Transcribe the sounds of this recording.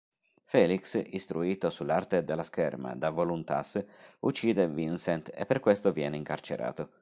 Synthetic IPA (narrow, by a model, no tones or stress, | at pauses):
fɛːliksist̪ɾuiːt̪osulːart̪ed̪elːaskɛrma̰d̪avolunt̪a̰sut͡ʃːiːd̪evinsɛnt̪ḛpːerkwest̪ovjɛ̰ːneiŋkart͡ʃḛɾʔa̰ːt̪o